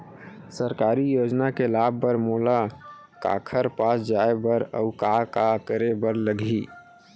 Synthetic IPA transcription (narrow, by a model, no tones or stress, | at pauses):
səɾkaːɾijoːd͡ʒnakelaːb̚ːəɾmoːla | ka̰ːkʰəɾpaːsd͡ʒaebəɾəʊkakakəɾebəɾləɡʱi